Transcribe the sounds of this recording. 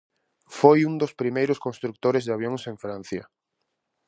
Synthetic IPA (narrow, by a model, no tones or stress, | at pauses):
fojund̪ospɾimejɾʊskonst̪ɾuk̚t̪oɾɪzðaβ̞joŋsẽɱfɾãn̟θjɐ̰